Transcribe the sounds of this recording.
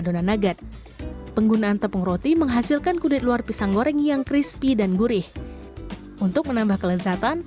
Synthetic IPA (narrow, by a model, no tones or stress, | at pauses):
donanaɡat̪̚ | pəŋɡunaʔːnt̪əpəŋɾot̪iməŋɦasilkankudɪt̪̚luarpisaŋɡoɾɛŋjaŋkɾispidanɡuɾɪh | unt̪ʊk̚mənambahkələzat̪an